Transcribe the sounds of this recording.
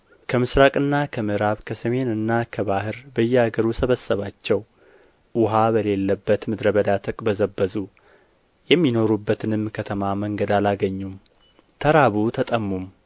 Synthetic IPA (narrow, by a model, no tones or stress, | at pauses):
kʰəmɨsɾakʼɨnːakʰəmɨɾaβkʰəsəme̞nɨnːakʰəβahɨɾbəjːɛaɡəɾusəβəsːəβat͡ʃːɛw | ʔʊɦaβəle̞lːəbːət̪mɨd̪ɾəβəd̪at̪ʰəkʼbəzəbːəzu | jɛmːino̞ɾubːət̪ʰɨnɨmːkʰət̪ʰəmaməŋɡəd̪alaɡəɲːum | t̪ʰəɾaβut̪ʰət̪ʼəmːum